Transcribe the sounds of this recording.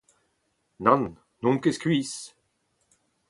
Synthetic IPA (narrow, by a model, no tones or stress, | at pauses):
nãn | nɔ̃ŋkeskɥiːs